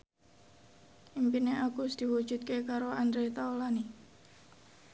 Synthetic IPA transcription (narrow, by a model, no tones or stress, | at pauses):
ʔimpineakusd̪̥i̤wu̥ʒ̥ṳt̪̚kekaɾoand̪ɾet̪aolani